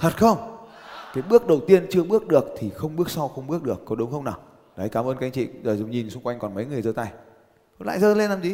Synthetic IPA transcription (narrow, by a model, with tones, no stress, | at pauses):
t̪ʰə˨˩t̚xə˧wŋ͡mkaː˨˦jɓɨ˦˥ək̚ɗə˨˩wt̪i˧ənt͡ɕɨ˧əɓɨ˦˥ək̚ɗɨ˨˩ək̚t̪ʰi˨˩xə˧wŋ͡mɓɨ˦˥ək̚sa˧wxə˧wŋ͡mɓɨ˦˥ək̚ɗɨ˨˩əkːɔ˨˦ɗə˨˦ŋ͡mxə˧wŋ͡mnaː˨˩w | ɗa˨˦jkaː˨˦məː˧nkːŋt͡ɕḭ˧˨zəː˨˩zʊ˨˩ŋ͡mɲi˨˩nsʊ˧ŋ͡mkwa˧jŋ̟kɔ˨˩nmə˨˦jŋɨ˨˩əjzəː˧t̪a˧˩j | o˧˦la̰ː˧˨zəː˧le˧nːaː˨˩mzi˨˦